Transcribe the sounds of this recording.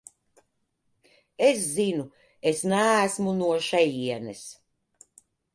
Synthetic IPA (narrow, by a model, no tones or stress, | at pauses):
eszinu | esnæːsmunuɔʃɛjiɛnɛs